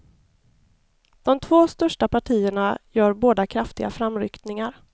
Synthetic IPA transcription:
d̪̥ɔmt̪ʰvoːst̪œʂʈapʰaʈʰiːəɳajœːɾboːd̪akʰɾaft̪ɪɡa̰fɾamɾʏ̰kt̪nɪŋaɾ

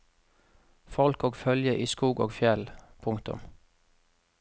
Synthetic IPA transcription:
fɔlkoːɡfœljəʔiːskuːɡo̰ːɡfjɛlpʰʊŋkt̪ʊ̰m

